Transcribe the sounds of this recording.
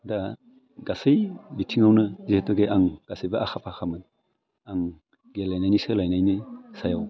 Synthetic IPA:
da | ɡasɯjbitʰiŋawnɯzihetɔɡeʔaŋɡ̥asɯjbaʔaxʰapʰaxʰamɯn | aŋ | ɡelajnajnisɯlajnajnisajaw

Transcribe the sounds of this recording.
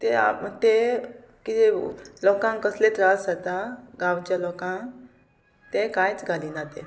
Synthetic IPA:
t̪ea̰mt̪e | kid͡ʒelɔːkãŋkəslet̪ɾaːsət̪aɡaːwt͡ʃalɔkãn | t̪ẽkãjt͡sɡalinat̪ḛ

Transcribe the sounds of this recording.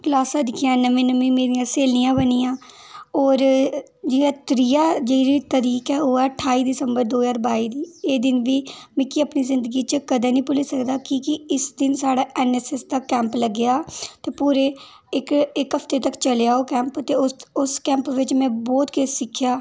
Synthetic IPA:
klaːsad̪ɪkʰjãːnəʋĩːnəmĩːmeːɾijãːseːlnijãːbənijãː | ɔːɾ | d͡ʒɪjãːt̪ɾɪjaːd͡ʒeiɾiːt̪əɾiːkaːɦoːɛːʈʰaːiːd̪ɪsəmbəɾd̪oːzaːɾbaːiːd̪iːeːd̪ɪnʋiːmɪkiəpniːzɪnd̪əɡiːt͡ʃəkəd̪eːnĩːpʊlisəkd̪aːkiːkɪɪsd̪ɪnsaːɽaːʔɛːnɛːsɛsd̪aːkɛ̃ːmpləɡɪjaːt̪eːpuːɾeː | ɪkɪkɦəfʰt̪eːt̪əkt͡ʃəljaːoːkɛ̃ːmpt̪eːʊʊskɛ̃ːmpʋɪt͡ʃmɛ̃ːbɔːt̪keːssɪkʰːjaː

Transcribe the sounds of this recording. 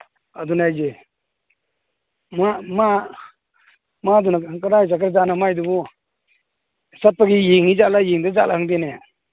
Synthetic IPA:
ad̪unajd͡ʒe | mama | mad̪unaŋkaɾajs̬akɾazanamajd̪ubu | sat̚paɡijiŋizaʔlajiŋd̪ezaʔlʔahɯŋdine

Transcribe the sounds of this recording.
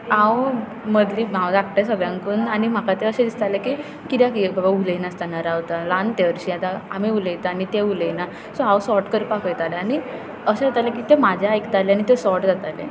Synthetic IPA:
ãw | məd̪limãwd͡z̪ak̚ʈasəɡɭjãŋkuːnanim̤akat̪eəɕed̪ist̪alekiː | kit̪jakibabauləinast̪anaɾaʋt̪alant̪eəɾɕijat̪aamiuləjt̪aanit̪euləjna | sɔawsɔɾʈkəɾipakʰəjt̪aleaɽ̃i | əɕed͡zat̪alekit̪emad͡ʑʱjaːjkt̪aleaɽ̃it̪esɔɾʈd͡zat̪alḛ

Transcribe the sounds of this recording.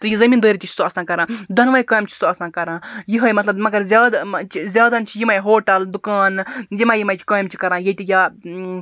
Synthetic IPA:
t̪ɨjizɐmiːnd̪oːɾit̪ʲit͡ʃʰsuɐsãːkɐɾãːd̪ɐnʋajkaːjmt͡ʃʰi̥suɐsãːkɐɾãːjiɦɐjmɐt̪lɐbmɐɡɐɾzʲjaːd̪t͡ʃʰizʲaːd̪ɐnt͡ʃʰijimɐjɦoːʈɐld̪ukaːnjimajimɐjt͡ʃʰi̥kaːmt͡ʃʰi̥kɐɾãːjet̪ʲija

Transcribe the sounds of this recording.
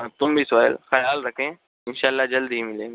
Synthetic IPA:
ãːt̪ʊmbʱisaːjə̰lxɐjaːlɾɐkʰẽː | ɪnʃaːəlːad͡ʒɐld̪ɦimɪlẽː

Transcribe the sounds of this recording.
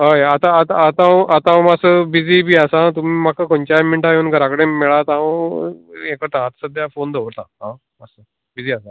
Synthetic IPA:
ɦəjat̪ãːt̪aːt̪ãʔat̪ãmasəbid͡ziːbʱiːəsat̪umiːmakakoɲt͡ɕamiɳʈajenɡʱəɾakəɽẽmɛɭat̪ã | ekəɾt̪aat̪səd̪ʱjafond̪ʱəʋɾt̪aɦã | əsə | bid͡ziːasa

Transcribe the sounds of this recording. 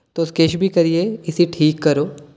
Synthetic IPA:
t̪oskeːɪʃbʱikɐɾieɪsiʈʰiːkːɐɾoː

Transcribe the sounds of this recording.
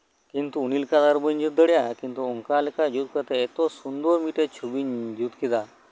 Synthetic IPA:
kint̪uːnilkad̪aɾbəɲd͡ʒut̪̚d̪əɽjakint̪uuŋkalekad͡ʒut̪̚kət̪eːt̪osund̪omiʈet͡ʃʰubiɲd͡ʒut̪kid̪a

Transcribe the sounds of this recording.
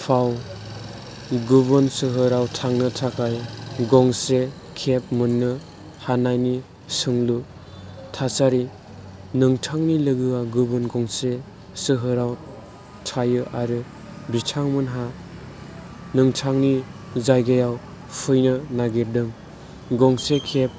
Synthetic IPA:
pʰaw | ɡuβɯnsɯɦɯɾawtʰaŋnɯtʰakʰajɡɔŋse | kʰep̚mɯnːɯ | hanajni | sɯŋlu | tʰasaɾi | nɯŋtʰaŋnilɯɡɯaɡubɯnɡɔŋse | sɯɦɯɾaw | tʰajɯʔaɾɯ | bitʰaŋmɯnɦa | nɯŋtʰaŋni | zajɡejaw | pʰɯjnɯnaɡiɾdɯŋ | ɡɔŋsekʰep̚

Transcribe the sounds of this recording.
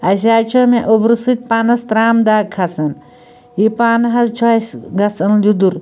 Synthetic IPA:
ɐs̬ʲaːt͡ʃʰɐmeʔobɾɨsɨt̪̚ʲpanɐst̪ɾaːmd̪aːɡkʰɐsɐn | jipaːnɦɐst͡ʃʰɐsɡɐsɐnlud̪uɾ

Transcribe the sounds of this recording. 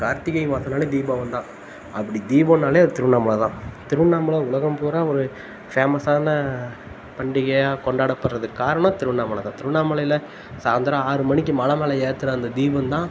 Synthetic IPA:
kaːɾt̪ɪɣɐjmaːsɐnaːled̪iːbɐ̃ːʋɐnd̪ãː | ɐpːɐɽid̪iːbɐnːaːleːɐɾt̪ɪɾɯnaːmɐɭɐt̪ãːt̪ɪɾɯnaːmɯɭɐʊɭɐɣɐmpoːɾaːɔɾɯ | feːmɐsaːnɐ | pɐɳɖɪɣɐjaːkɔɳɖaːɽɐpːɐɽɾɐðɯkaːɾɐɳɐ̃t̪ɪɾɯnaːmɐɭɐt̪ãːt̪ɪɾɯnaːmɐlɐjɪlɐ | saːnd̪ɐɾaːaːɾɯmɐnɪk̬ʲːɯmɐlɐmeːlɐeːɾt̪ːɯɾɐɐnd̪ɐd̪iːbɐnt̪ãː

